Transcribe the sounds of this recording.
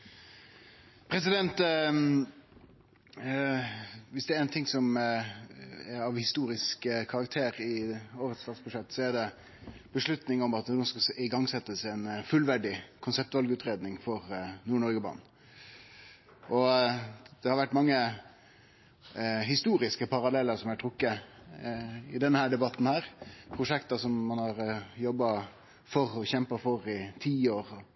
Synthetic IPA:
pʰɾɛsɪd̪ɛnt̪ | ʋɪsd̪ɛæɾɛɪnt̪ʰɪŋsɔm | ɛɾɑʋhɪst̪uːɾɪskkʰɑɾɑk̚t̪ʰeːɾɪoːʋəɾəɛt̪st̪ɑːt̪sbʊʂɛt̪ːsɔæɖɛ | b̥əʂɭʉt̪nɪŋɔmɑt̪nuːskɑɪɡɑŋsɛt̪ːəsɛnfʉlʋæɖɪkʰʊnsɛp̚t̪ʋɑlɡəʉːt̪ɾeːd̪nɪŋfɔɾnuːɳɔɾɡəbɑ̰n | ʔɔ | d̪̥ɛhɑɾʋæʈːmɑŋːə | ɦɪst̪uːɾɪskəpʰɑɾɑlɛlːəɾsɔmæʈʰɾʊkːə | ɪd̪ɛnːəhæːɖɛbɑt̪n̩hæːɾpʰɾʊʂɛkt̪əsɔmːɑnhɑɾjɔbːɑ | fɔɾɔçɛmpəfɔɾɪt̪ʰiːoːɾ

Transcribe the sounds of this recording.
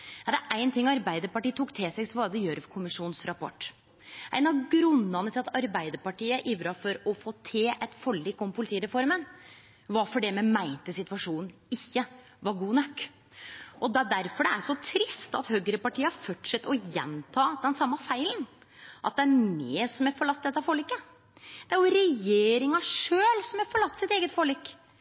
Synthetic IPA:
jɑd̪ɛʔæɪnt̪ʰɪŋːɑɾbæɪd̪əɾpɑʈiːət̪ʰuːkːt̪ʰɪːsɛɡsɔʋɑd̪ɛjøːɾəfkʰʊmɪʂuːnsɾɑpɔ̰ʈː | ʔæ̰ɪnɑɡɾʉnːɑnət̪ʰɪlɑt̪ɑɾbæɪd̪əɾpɑʈiːəʔɪʋɾɑfɔɾɔfoːt̪ʰeːʔɛt̪fɔɭːiːkːɔmpʰʊlɪt̪iːɾɛfɔɾmən | ʋɑɾfɔɖɛmɛmæɪnt̪əsɪt̪ʋɑʂuːnn̩ɪçːə | ʋɑɾɡuːnœkː | ʔɔd̪ɛd̪æɾfɔɖɛæʂɔt̪ʰɾɪst̪ɑ̰t̪høːɡəɾəpɑʈʰiːəɑɾfɔʈʂɛt̪ːɔjɛ̰nt̪ʰɑːd̪ɛnsɑmːɑfæɪln | ʔɑ̰t̪̚d̪ɛæɾmeːsɔmɛɾfɔɭɑt̪ːd̪ɛt̪ːɑfɔːlikːə | d̪̥ɛæɾjʊɾɛjeːɾɪŋɑʂøːlsɔmhæɾfɔɭɑt̪ːsɪt̪eːɡət̪foːɭikː

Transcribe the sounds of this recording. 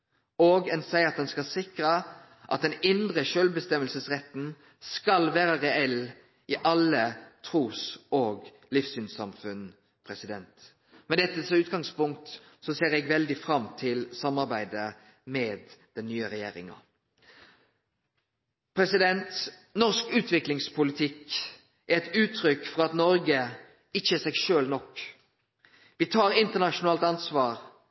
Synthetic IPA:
oːɡɛnsæɪɑt̪̚d̪ɛnskɑsɪkɾə | ʔɑt̪̚d̪ɛnɪnd̪ʁəʃølbəst̪ɛməlsəsʁɛt̪n̩ | skɑlʋæːʁəʁɛɛl | ɪʔɑlət̪ʰʁuːsoːɡ | lɪfsyːnsɑmfʉn | pʰʁɛsɪd̪ɛnt̪ | mɛd̪ɛt̪ːəsʉːt̪ɡɑŋspʊŋk̚t̪ | sɔseːʁɛɡʋɛld̪ɪfʁɑmt̪ʰɪlsɑmːɑʁbæɪd̪ə | mɛːd̪d̪̥ɛnːyːəɾɛjeːʁɪ̰ŋɑ̰ | pʰɾɛsɪd̪ɛnt̪ | nɔʁskʉːt̪ʰʋɪklɪŋspʰʊlɪt̪ʰɪk | æɾɛt̪ʉːt̪ʰɾʏkːfɔʁɑt̪nɔɾɡə | ɪçːəəsɛɡʃøːlnɔk | ʋɪt̪ʰɑːɾɪnt̪ənɑʃʊnɑːlt̪ɑnsʋɑːʁ

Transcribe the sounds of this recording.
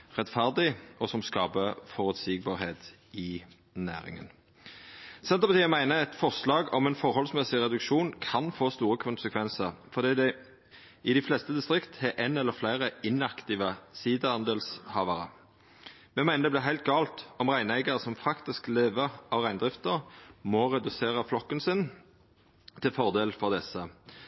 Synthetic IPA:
ʁɛt̪fæʁd̪ɪɔsɔmskɑːpəfɔʁʉt̪siːɡ̚bɑːʁheːt̪ | ɪ | næ̰ːʁɪ̰ŋə̰n | sɛnt̪əpɑt̪iːəmæɪnəɛt̪fɔʁslɑːɡɔmɛnfɔʁhɔlsmɛsɪʁɛd̪ʉkʃuːnkʰɑnfoːst̪uːʁəkʰʊnsəkʰʋɛnsəʁfɔʁd̪iːd̪ɛ | ɪd̪ɪflɛst̪əd̪ɪst̪ʁɪkt̪hɛʔɛnɛlːəflæɪʁəɪnɑkt̪ɪʋəsiːd̪əhɑnd̪əlshɑːʋəʁə̰ | mɛmæɪnəd̪ɛblɪɦæɪlt̪̚ɡɑːlt̪ɔmʁæɪnæɪɡɑʁəsɔmfɑkt̪ɪskleːʋəʁɑʋʁæɪnd̪ʁɪft̪əʁmɔʁɛd̪ʉseːʁəflɔkːənsɪn | t̪ʰɪlfɔʁd̪eːlfɔʁd̪ɛsə

